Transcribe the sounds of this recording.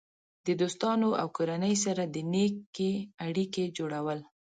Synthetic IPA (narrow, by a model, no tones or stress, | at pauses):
d̪̥əd̪ost̪ɑnoa̰wkoɾanəjs̬aɾad̪ənekeaɽiked͡ʒoɽawəl